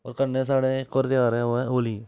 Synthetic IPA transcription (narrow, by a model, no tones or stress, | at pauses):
ɔ̰ːɾkənːẽs̬aːɽekoɾt̪ɪjaːɾɛ̃oɛ̃oːliː